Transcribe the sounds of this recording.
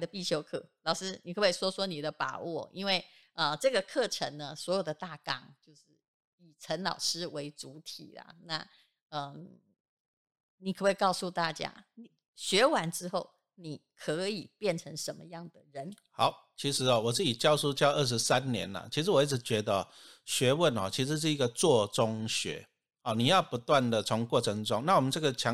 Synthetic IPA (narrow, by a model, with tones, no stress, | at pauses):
d̪ə˦pi˥˩t͡ɕʰjo˧˥ʊkʰɤ˥˩lɑ˨˩ʊʂɻ̩˥ni˨˩kʰə˧˥we˥˩ɪswɔ˥swɔ˥ni˨˩d̪ə˦pa̰˨˩wɔ˥˩ḭ˥nwe˥˩ɪ | ə˧ʈ͡ʂɤ˥˩ɡə˩kʰɤ˥˩ʈ͡ʂʰə˧˥ŋnə˧swɔ˧˥jo˨˩d̪ə˦t̪a˥˩kɑ˨˩ŋt͡ɕjo˥˧ʊʂɻ̩˥˩ | i˨˩ʈ͡ʂʰə˧˥nlɑ̰˨˩ʊʂɻ̩˥we˧˥ɪt͡su˧˥t̪ʰḭ˨˩lɐ̰˩na̰˥˩ | ə˧ | ni˨˩kʰwe˥˩kɑ˥˧ʊsu˥˧t̪a˥˩t͡ɕja̰˥ni˨˩ | ɕɥɛ˧˥wa˧˥nʈ͡ʂɻ̩˥xo˥˩ʊ | ni˨˩kʰɤ˧˥i˨˩pjɛ˥˩nʈ͡ʂʰə˧˥ŋʂə˧˥nmə̰˧jɑ˥˩ŋd̪ə˩ɻə˨˧˦nha˨˩˦ʊ | t͡ɕʰi˧˥ʂɻ̩˧˥ɔ˧wɔ˨˩t͡s̩˥˩t͡ɕi˨˩t͡ɕjɑ˥˧ʊsu˥t͡ɕjɑ˥˧ʊʔə˥˩ʂ̬ɻ̩˧˥sa˦nnjɛ̰˧˦nɐ̰˨t͡ɕʰi˧˥ʂɻ̩˧˥wɔ˨i˥˩t͡sʰɻ̩˧˩˦t͡ɕɥɛ˧˥d̪ə˧˨˩ | ɕɥɛ˧˥wə˥˨˩nɔ̰˨˩t͡ɕʰi˧˥ʂɻ̩˧˥ʂ̬ɻ̩˥˩i˧˥ɡə˧t͡swɔ˥˧t͡sʊ˦ŋɕɥɛ̰˧˥˦ | ɔ˨˩ni˨˩jɑ˥˩ʊpu˧˥t̪wa˥˩nd̪ə˨t͡sʰʊ˧˥ŋkwɔ˥˩ʈ͡ʂʰɤ˧˦ŋʈ͡ʂʊ˦ŋna˥˩wɔ˨˩mə˦nʈ͡ʂɤ˥˩ɡə˨t͡ɕʰjɑ˧˦